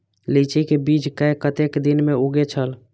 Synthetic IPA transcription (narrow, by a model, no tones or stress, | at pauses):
lit͡ʃikebit͡ʃkəjkət̪ekd̪inmeuɡet͡ʃʰəl